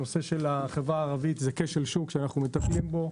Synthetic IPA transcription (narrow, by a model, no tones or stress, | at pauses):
o̞seʃelaχevʁaːʁavit̪zekeʃelʃukʃeanaχnumet̪aplimbo̞